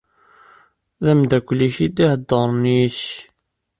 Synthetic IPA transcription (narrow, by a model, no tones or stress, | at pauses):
ðæmd̪ækʷlːiçid̪ihəd̪ːəɾˤniç